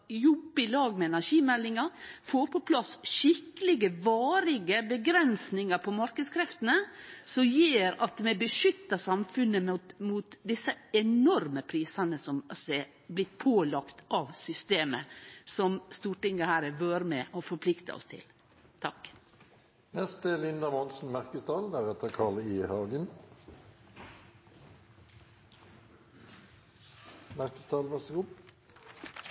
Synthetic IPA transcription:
jɔbːɪlɑːɡmɛɛnæʂiːmɛlːɪŋɑfoːɾpʰɔpʰlɑsʃɪkəlɪɡəʋɑːɾɪɡəbəɡɾɛnsnɪŋɑɾpʰɔmɑɾkəd̪skʰɾɛft̪ənəsɔjeːɾɑt̪mɛbəʃʏt̪ːɑsɑmfʉnːəmuːt̪d̪ɪsːəɛnɔɾməpʰɾiːsɑnəsɔmɔsɛ | blɪt̪̚pʰoːlɑkt̪ɑʋsʏst̪eːməsɔmst̪uːʈɪŋɡəhæːɾəʋøːɾmɛʔɔfɔɾpʰlɪkt̪ə̰ɔ̰st̪ʰɪ̰l | t̪ʰɑk | nɛst̪əlɪnd̪əʁmɔnsn̩mæʁkəst̪ʰɑːld̪æʁɛt̪əkʰɑːʁliːhɑːɡən | mæʁkəst̪ʰɑːlʋɑʁsəɡuː

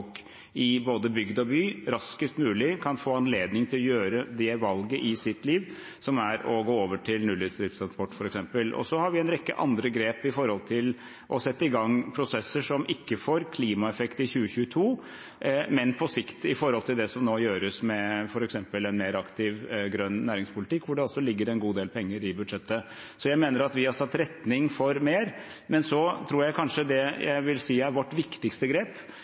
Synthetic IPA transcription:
k | ɪboːd̪əbʏɡd̪ɔbyːɾɑskəst̪mʉːlɪkʰɑnfoːɑnleːd̪nɪŋt̪ʰɪlɔjøːɾəd̪ɛʋɑlɡəʔɪsɪt̪liːʋ | sɔmæɾɔɡoːoːʋəʈʰɪlnʉːlɪːd̪st̪ɾɪːfst̪ʰɾɑnspɔʈːfɔɾɛksɛmpəlʔɔ̰sɔhɑɾʋɪɛnɾɛkːə̰ʔɑ̰nd̪ɾəɡɾeːpɪfɔɾhɔlt̪ʰɪl | ʔɔsɛt̪ːəɪɡɑŋpʰɾʊsɛsəʂɔmɪkːəfoːɾkʰliːmɑɛfɛkt̪ɪçʉːəçʉːət̪ʰuː | mɛnpʰɔsɪkt̪ɪfɔɾhɔlt̪ʰɪld̪ɛsɔmnoːjøːɾəsmɛfɔɾɛksɛmpəlɛnmeːɾɑkt̪ɪʋɡɾœnːnæːɾɪŋspʰʊlɪt̪ʰɪkːʋʊɖɛɔlsɔlɪɡːəɾɛnɡuːd̪eːlpʰɛŋːəɾɪbʉd̪ʂɛt̪ːə | sɔjæɪmeːnəɾɑt̪ʋɪhɑsɑt̪ːɾɛt̪nɪŋfɔɾmeːɾ | mɛnsɔt̪ʰɾuːɾjæɪkʰɑnʂəd̪ɛjæ̰ɪʋɪlsiːæɾʋɔʈːʋɪkt̪ɪkst̪əɡɾeːp

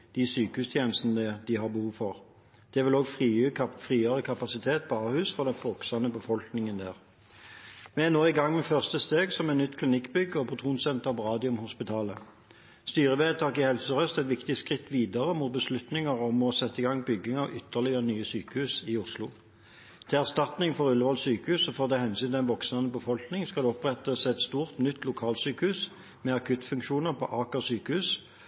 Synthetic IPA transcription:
d̪̥ɪsyːkəhʉːst̪ʰjeːnəst̪nəəd̪ɪɦɑʁbəhuːʋfɔʁ | d̪̥ɛʋɪloːɡfʁiːfʁiːəʁəkʰɑpɑsɪt̪ʰeːt̪̚pʰɔɑːhʉːsfɔʁd̪ɛnfɔksɑnəbəfɔlknɪŋənd̪æ̰ːʁ | mɛɛnoːɪɡɑŋːmɛfœʁst̪əst̪eːɡsɔmɛt̪nʏt̪ːkʰlɪnɪkːbʏɡːəɔpʰʊt̪ʰʁuːnsɛnt̪əʁpɔʁɑːd̪ɪʊmhʊspɪt̪ʰɑːlə | st̪yːʁəʋeːt̪ʰɑːkɪhɛlsəʁœst̪ɛt̪ʋɪkt̪ɪskʁɪt̪ːʋiːd̪ɑʁəmuːt̪̚bəslʉt̪nɪŋəʁɔmɔsɛt̪ːəɪɡɑŋbʏɡːɪŋɑʋʔʏt̪ʰːəʁlɪəʁənyːəsyːkəhʉːsɪʊslʊ̰ | t̪ʰɪlæʁst̪ɑt̪nɪŋfɔʁʉləʋɑlsyːkəhʉːsɔfoːʁt̪ɛhɛnsyːnɪæɪnʋɔksnɑnəbəfɔlknɪŋskɑld̪ɛɔpʁɛt̪ːəsɛt̪st̪uːʁt̪nʏt̪ʰːlʊkʰɑːlsyːkəhʉːs | mɛɑkʰʉt̪fʉŋkʃuːnəʁpʰɔʔɑːkəʁsyːkəhʉːs

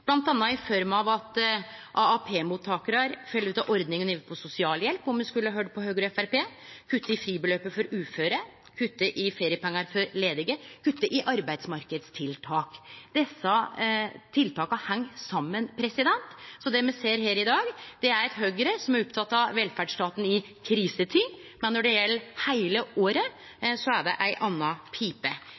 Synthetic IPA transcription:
b̥lɑnt̪ɑnːɑɪfɔɾmɑʋɑt̪ʔɑɑpʰeːmuːt̪ʰːɑːkəɾɑɾfœlːʉːt̪ɑʔɔɾd̪nɪŋɔniːʋəpʰɔsʊsɪɑːljɛlpːɔmɛnskʉlːəɑɦøɖpʰɔhøːɡɾɔɛfæɾpeː | kʰʉt̪ːəɪfɾiːbəløːpəfɔɾʉːføːɾə | kʰʉt̪ːəʔɪfeːɾɪəpʰɛŋːɑɾfɔɾleːd̪ɪɡəkʰʉt̪ːəʔɪʔɑɾbæɪd̪smɑɾkəd̪st̪ʰɪlt̪ʰɑːkd̪ɛsːɑ | t̪ʰɪlt̪ɑːkɑhɛŋːsɑmːənpʰɾɛsɪd̪ɛnt̪sɔd̪ɛmɛseːɾɦeːɾɪd̪ɑːɡd̪̥ɛæɾɛt̪ɦøːɡəɾəsɔmæɾɔpt̪ʰɑt̪ːɑʋɛlfæɖʂʈ̪ɑːt̪n̩ɪ | kʰɾiːsət̪ʰɪŋ | mɛnːɔɖɛjɛlːəɾhæɪləʔoːɾə | sɔæɖɛ̰ʔæɪʔɑnːɑpʰiːpə

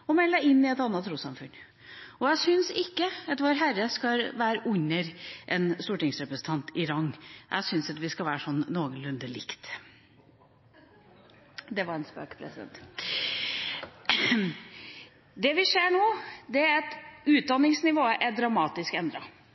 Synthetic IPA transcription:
ɔmɛlːəɪnːɪɛt̪ɑnːət̪ʰːɾuːsɑmfʉn | ɔjæɪsʏnsɪkːəɑt̪ʋoːɾəɦæɾəskɑʋæːɾəʔʉɲːəɾʔɛnst̪uːʈɪŋsɾɛpɾəsən̩t̪ʰɑnt̪ɪɾɑŋːʔæ̰ɪsʏnsɑt̪ʋɪskɑʋæːɾəʂɔnːoːɡənlʉnd̪əlɪ̰kt̪ | d̪ɛʋɑɾɛnspø̰ːkə̥pʰɾɛsɪd̪ɛ̰nt̪ | d̪ɛʋɪseːɳoːd̪ɛæɛt̪ʉːt̪̚d̪ɑnːɪŋsnɪʋoːəʔɛd̪ɾɑmɑːt̪ɪskɛnd̪ɾɑ

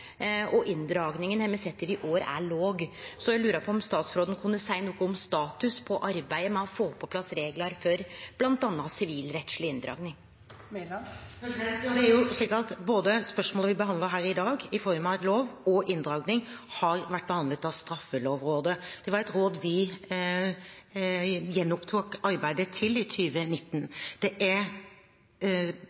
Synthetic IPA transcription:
ɔʔɪnd̪ɾɑːɡnɪŋənhɛmːəsɛt̪ːəʋɪʔoːɾæ̰ɭoːɡsɔjæɪlʉːɾəpʰɔɔmst̪ɑːt̪sfɾoːd̪ənkʰʉnːəsæɪnuːkəɔmst̪ɑːt̪ʉspʰɔʔɑɾbæɪəmɛɔfoːpʰɔpʰlɑsːɾeːɡlɑɾfœɾb̥lɑnt̪ɑnːɑsɪʋiːlɾɛt̪sɭɪɪnd̪ɾɑ̰ːɡnɪŋ | d̪ɛæɾjʊʂɭiːkɑt̪boːd̪əspœʂmoːləʋɪbəɦɑnd̪əɦæːɾɪd̪ɑːɡɪfɔɾmɑloːʋɔʔɪnd̪ɾɑːɡnɪŋhɑɾʋæʈ̚ːbəhɑnd̪lət̪ɑʋst̪ɾɑfːəloːʋɾoːd̪əd̪̥ɛʋɑɾɛt̪ɾoːd̪ʋɪ | jɛnːʊpt̪ʰuːkɑɾbæɪd̪ət̪ʰɪlɪt̪ʰyːʋənɪt̪ːnd̪̥ɛʔæɾ

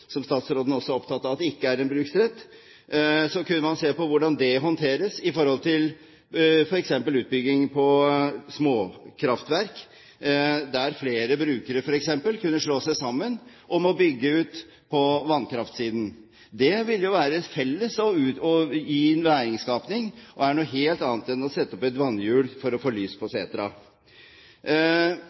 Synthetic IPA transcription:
sɔmst̪ɑːt̪sɾoːd̪n̩ɔsːɔɔpt̪ʰɑt̪ːɑʋɑt̪ɛɪkːəæɾɛnbɾʉːksɾɛt̪ː | sɔkʉnːəmɑnseːpɔʋʊɖɑnd̪ɛɦɔnt̪ʰeːɾəsɪfɔɾhɔlt̪ʰɪl | fɔɾɛksɛmpəlʉːt̪̚bʏɡːɪŋpʰɔsmoːkʰɾɑft̪ʋæɾk | d̪æɾfleːɾəbɾʉːkəɾəfɔɾɛksɛmpəlkʰʉnːəʂɭoːsæɪsɑmːən | ʔɔmɔbʏɡːəʉːt̪ | pʰɔʋɑnːkʰɾɑft̪siːd̪n̩ | d̪ɛʋɪljʊʋæːɾət̪fɛlːəsɔʉːɔjiːnʋæːɾɪŋskɑːpnɪŋʔɔæɳuːɦeːlt̪ɑːnət̪ɛnːɔsɛt̪ːəɔpɛt̪ʋɑnːjʉːɽfɔɾɔfoːlyːspʰɔsḛːt̪ɾɑ̰

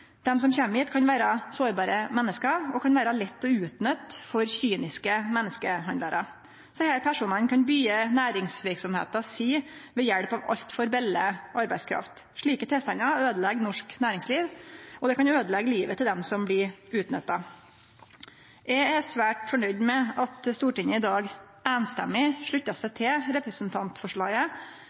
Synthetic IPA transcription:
d̪̥ɛms̬ɔmçɛmiːt̪kʰɑnʋæːɾɑsoːɾbɑːɾəmɛnːəskɑɔkʰɑnʋæːɾɑlɛt̪ːɔʉːt̪nœt̪ːfɔɾçyːnɪskəmɛnːəskəhɑnd̪ɑɾɑ̰ | sɔhæːɾpʰæʂuːnɑnkʰɑnbyːənæːɾɪŋsʋɪɾksɔmhḛːt̪ɑsiːʋɛjæɽpɑʋɑ̰ʎt̪fɔɾbɛlːəʔɑɾbæɪskʰɾɑ̰ft̪ | ʂɭiːkət̪ʰɛlst̪ɑnːɑøːd̪əlɛɡːnɔʂknæːɾɪŋsliːʋɔd̪ɛkɑnøːd̪əlɛɡəliːʋət̪ʰɪld̪ɛmsɔmblɪʉːt̪nœt̪ːɑ | ɛæsʋæːʈfɔɳœʏd̪mɛɑt̪st̪uːʈɪɲəɪd̪ɑːɡ | æːnst̪ɛ̰mːɪʂɭʉt̪ːɑsæɪt̪ʰɪlɾɛpɾəsnt̪ʰɑnt̪fɔʂɭɑɡə

